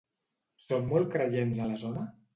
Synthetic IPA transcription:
sowːɔl̚ˠkɾəʎenzələzonə

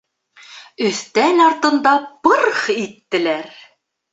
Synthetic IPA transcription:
ɵ̆θt̪ænɑɾt̪ɤ̆nd̪ɑpɤɾχit̪ːɘ̆læɾ

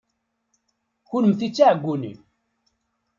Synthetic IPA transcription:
çʊɾəmθit͡sːaʕəɡʷːunḭm

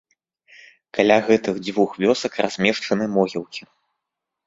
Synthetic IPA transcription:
kalʲaɣɛt̪ɨɣd͡z̪ʲvuxvʲɔsɐkra̰z̥ʲmʲɛʂt͡ʂɐnɨmɔɣʲilˠkʲi

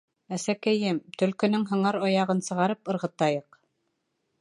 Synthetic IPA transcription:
æsækæjɘmt̪ɵ̆lkɵ̆nɵŋɦɤ̆ɴɑɾɑjɑʁɤnsɤ̆ʁɑɾɤpɤ̆ɾʁɤ̆t̪ɑjɤq

